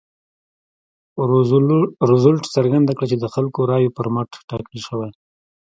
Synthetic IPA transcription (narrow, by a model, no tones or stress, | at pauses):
ɾʊzʊlʈsəɾɡand̪akɽat͡ʃed̪əxalkoɾɑjopəɾmaʈʈɑkəlʃəwaj